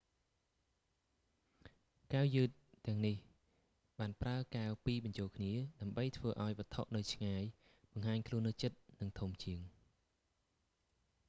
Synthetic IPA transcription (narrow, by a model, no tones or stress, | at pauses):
kawjɨːt̪̚ːɛ̆əŋnih | ɓaːnpraəkaəwpiːɓɑɲt͡ɕoːlkʰniəɗaəmɓəjt̪ʰʋəːʔaɔjɓə̆ət̪ʰoʔnɨwt͡ɕʰŋaːj | ɓɑŋɦaːɲkʰluənːɨt͡ɕət̪̚nɨŋt̪ʰumt͡ɕiəŋ